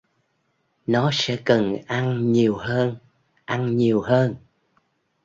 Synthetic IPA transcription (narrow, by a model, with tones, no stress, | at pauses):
nɔ˨˦sɛ̰˧˥kə˨˩nʔa˧nɲi˨˩əwɦəː˧n | ʔa˧nɲi˨˩əwɦəː˧n